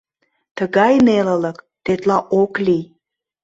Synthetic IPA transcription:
t̪əɣɑjnelələk | t̪et̪lɑʔokli

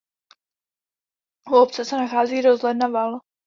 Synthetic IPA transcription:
uopt͡sɛsɛnaxaːziːɾozlɛdnaval

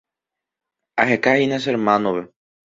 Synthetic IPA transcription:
aɦekahines̬eɾmãnõβe

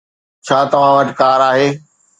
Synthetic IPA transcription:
t͡ɕʰaːt̪ɐʋ̤ãʋɐʈkaːɾaːɦeː

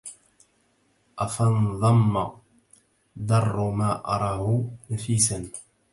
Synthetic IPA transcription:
ʔafɑnðˤɑmːa | d̪ɑrˤːmaːʔɑ̰ɾˤɑːhʊnafiːsan

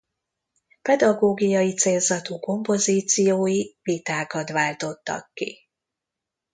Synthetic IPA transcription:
pɛd̪ɒɡoːɡijɒjit̪seːlzɒt̪uːko̞mpo̞ziːt̪sijoːjivit̪aːkɒt̪ʋaːlt̪o̞t̪ːɒ̰kːḭ

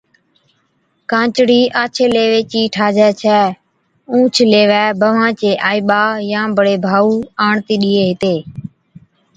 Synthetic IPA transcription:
kãːt͡ʃɽiːʔaːt͡ʃʰeːleːʋeːt͡ʃiːʈʰaːd͡ʒɛːt͡ʃʰɛː | ũːt͡ʃʰleːʋɛːbəʋãːt͡ʃeːʔaːiːɓaːjãːbəɽeːbʱaːuːaːɳt̪iːɗiːeːɦɪt̪eː

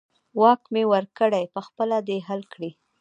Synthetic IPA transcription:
wɑkmewəɾkəɽajpəxpəlad̪eɦalkɽi

